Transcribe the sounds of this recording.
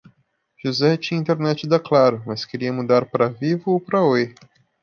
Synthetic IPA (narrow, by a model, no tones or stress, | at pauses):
ʒ̥uzɛt͡ʃĩɐĩnt̪eɾnɛt͡ʃɪd̪aklaɾʊmɐskeɾiɐmud̪aɾpɾɐvivʊopɾɐe